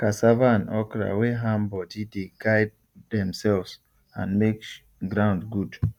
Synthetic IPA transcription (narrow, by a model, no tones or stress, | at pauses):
kasavaãnɔkɾa̰weɦãmbɔdideɡaɪb̚ | dɛ̃msɛlvz | ã̰nmek | ɡɹãʊ̃ndɡud